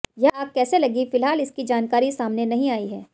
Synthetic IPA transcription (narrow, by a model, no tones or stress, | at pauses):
jɐaːk̚kːɛːselɐɡifɪlɦaːlɪskid͡ʒaːnkaːɾisaːmnenɐɦĩaːiɦɛː